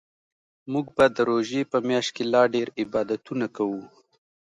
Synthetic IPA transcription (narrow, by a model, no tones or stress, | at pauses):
muɡbad̪əɾoʒepəmjɑʃt̪̚kelɑɖeɾɪbɑd̪at̪unakawu